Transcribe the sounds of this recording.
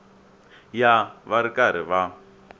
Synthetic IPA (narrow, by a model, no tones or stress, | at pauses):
jaβaɾikaɾ̤iβa